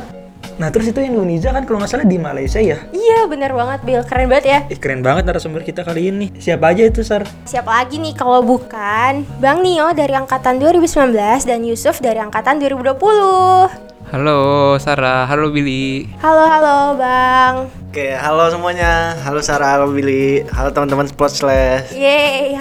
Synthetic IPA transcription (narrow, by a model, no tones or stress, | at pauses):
naht̪əɾʊs̬it̪uindonisiakankalomasalahdimalaisiajaijabənərbaŋət̪̚bilkəɾɛnbəŋət̪jaikəɾɛnbaŋət̪̚naɾasəmbərkit̪akaliɪnːɪhsiapaːd͡ʒait̪usar | siapalaɡinɪhkalobukanbaŋnijodaɾiaŋkat̪anduwaɾibusəmbilanbəlasdanjusʊfdaɾiaŋkat̪anduaɾibuduapuluh | halosaɾaɦalobiliʔhaloɦalobaŋ | keɦalosəmuaɲaɦalosaɾaɦalobilihalot̪əmant̪əmansə̥plɔt̪̚slɛsjaa